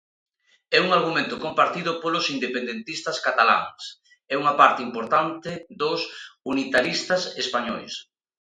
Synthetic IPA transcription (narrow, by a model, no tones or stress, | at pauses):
ɛuŋaɾɣumẽnt̪ʊkompaɾt̪iðʊpolʊsind̪epend̪ent̪ist̪askat̪ala̰ŋs | ɛuŋapaɾt̪ɪimpoɾt̪ant̪ɪd̪osunit̪aɾist̪asespaɲɔjs